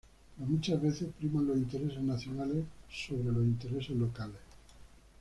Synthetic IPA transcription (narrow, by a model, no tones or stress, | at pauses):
ɾomut͡ʃazβe̞θe̞spɾimãnlosint̪e̞ɾes̬eznaθjonalessoβɾe̞lo̞sint̪e̞ɾe̞sezlo̞kales